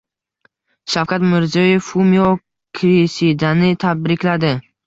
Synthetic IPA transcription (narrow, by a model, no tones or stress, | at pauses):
ʃawkʰat̪mɪɾzɒjefumio | kʲʰɾisid̪anɪt̪ʰabɾɪkʲlad̪ɪ